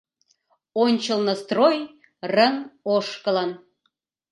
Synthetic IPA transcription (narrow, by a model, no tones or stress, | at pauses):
onʲt͡ɕəlnɤ̆st̪roj | rə̆ŋoʃkə̆lɤn